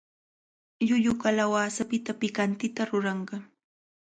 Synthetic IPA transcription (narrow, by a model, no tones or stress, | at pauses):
jʊʎʊkalawaːsapɪt̪apɪkant̪ɪt̪aɾʊɾɑɴɢɑ